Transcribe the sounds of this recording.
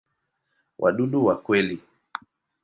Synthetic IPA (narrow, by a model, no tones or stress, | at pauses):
wʔa̰ɗuɗuwakwɛli